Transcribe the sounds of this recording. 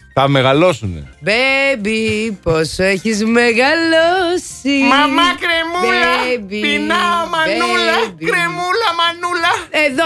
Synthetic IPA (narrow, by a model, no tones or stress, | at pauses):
θɐme̞ɣɐlo̞sunḛbebiposoeçizmeɣɐlosimɐmɐkɾemulbiinɐomɐeulɐbikɾemulɐmɐnulɐeðo